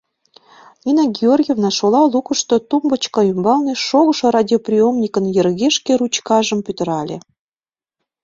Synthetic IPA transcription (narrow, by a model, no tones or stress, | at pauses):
nʲinɑɡʲeorʲɡʲjevnɑʃolɑlˠukə̆ʃt̪ot̪umbə̆t͡ɕkɑymbɑlneʃoɣə̆ʃŏɾɑdʲjoprʲijomnʲikə̆njĕrɣeʃkeɾut͡ɕkɑʒə̆mpyt̪ə̆ɾɑlʲḛ